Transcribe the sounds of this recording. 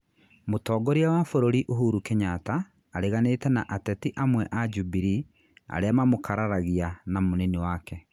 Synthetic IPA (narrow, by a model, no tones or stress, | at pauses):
motɔːɡɔɾiawafoɾoɾiʔoɦuɾukɛɲataː | ɾeɣaneːtɛnaʔatɛtiʔamwɛʔad͡ʒubiɾi | a̰ɾeamamokʰaɾaɾaɣianamonɛniwakɛ